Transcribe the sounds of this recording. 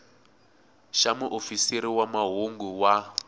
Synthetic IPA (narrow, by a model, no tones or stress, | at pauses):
ʃamuʔofisiɾiwamaɦuŋɡuwa